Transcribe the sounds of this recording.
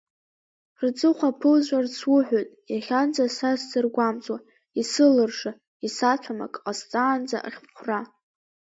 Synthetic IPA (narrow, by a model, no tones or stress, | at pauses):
rd͡zʼɨχʷapʰɨlzʷart͡sʰwʊħʷᶣojtʼjaχʲand͡zasazdɨrɡʷamt͡sʼwa | isɨlɨrʂa | isat͡ɕʷʰama̰kʼqʼast͡sʼaːnd͡za̰ʔχʲχʷʰra